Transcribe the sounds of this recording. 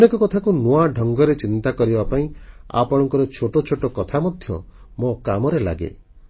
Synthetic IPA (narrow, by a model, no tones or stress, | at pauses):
ɔnekɔkɔt̪ʰakunuaɖʱɔŋɡɔɾet͡ʃint̪akɔɾibapaĩa̰pɔɽɔŋkɔɾɔt͡ʃʰoʈot͡ʃʰoʈɔkɔt̪ʰamɔd̪ʱjɔ̰ | mokamɔɾela̰ɡḛ